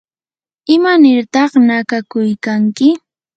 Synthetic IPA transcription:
ɪmanɪɾt̪ɑχnakakʊjkaŋkɪ

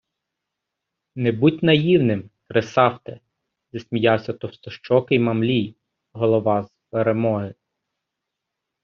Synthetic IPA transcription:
nebutʲnɐjiwnɪmkɾesɑwt̪ɛ | zɐsʲmʲijɑwsʲɐt̪ɔwst̪ɔʃt͡ʃɔkɪjmɐmlʲij | ɦɔlˠɔʋɑzpeɾemɔɦɪ

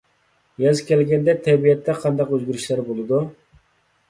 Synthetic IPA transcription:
jɛzkʲɛlɡʲɛnd̪ɛt̪ʰɛbijɛt̪ʰːɛqʰɑnd̪ɑqøzɡʲyɾyʃlæɾbolˠɨd̪u

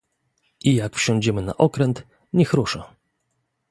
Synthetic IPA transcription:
ijakfɕɔ̃ɲd͡ʑɛmɘna̰ʔɔkɾɛnt̪ | ɲɛxɾuʂa

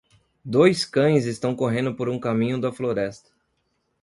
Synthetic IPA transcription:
d̪ojskɐ̃j̃zɪst̪ɐ̃w̃koɦẽnd̪ʊpoɾũkamĩɲʊd̪ɐfloɾɛst̪ɐ̥

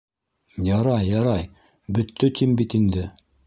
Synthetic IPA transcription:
jɑɾɑjːɑɾɑj | bɵ̆t̪ʰːɵt̪ʰimbit̪ind̪ɘ

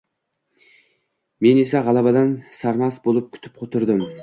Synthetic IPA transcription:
me̞nesæʁɑlˠɑbɑd̪ɑnsɑɾmɑsbolˠɨp̚kʲʰy̥t̪ʰɪ̥p̚qʰot̪ʰʊɾd̪ɨm

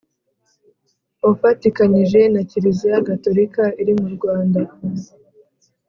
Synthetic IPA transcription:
ofatikaɲiʒe̞naciɾizijaɡato̞ɾikaiɾimuɾɡwaːnda

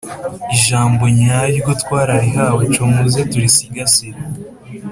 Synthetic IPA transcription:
iʒaːmboɲajiɡutkwaːɾaɾiɦaːwot͡ʃomuzetuɾisiɡasiɾ

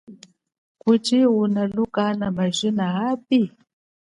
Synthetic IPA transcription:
kut͡ʃiunalukanamaʒinaapi

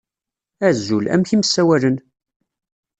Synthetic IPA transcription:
æzːulæ̰mçiməsːæwælən

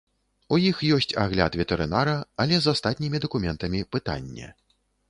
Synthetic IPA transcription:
ujixjɔsʲt͡sʲa̰ɣlʲa̰t̪vʲɛt̪ɛɾɨnaɾɐɐlʲɛzast̪at̪ʲnʲimʲid̪ɐkumʲɛnt̪ɐmʲipɨt̪a̰nʲːɛ̰

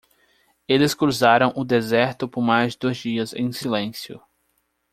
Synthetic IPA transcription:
elɪskɾuzaɾɐ̃w̃ʔʊd̪ezɛɾt̪ʊpʊɾmajzd͡ʒd̪ojzd͡ʒiɐzḛ̃j̃silẽsjʊ̰

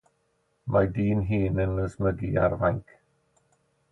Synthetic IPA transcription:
madiːnɦiːnənəsməɡia̰rvajŋkʰ

